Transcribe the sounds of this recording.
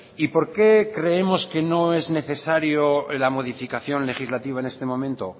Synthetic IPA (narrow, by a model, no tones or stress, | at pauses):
ipo̞ɾke̞kɾe̞emo̞ske̞no̞e̞zne̞θe̞saɾjolamo̞ðifikaθjo̞nle̞xizlat̪iβ̞aene̞st̪e̞mõ̞mẽnt̪o̞